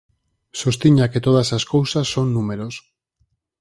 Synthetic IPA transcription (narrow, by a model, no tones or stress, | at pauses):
so̞st̪iɲaket̪oðasaskowsaso̞nːume̞ɾos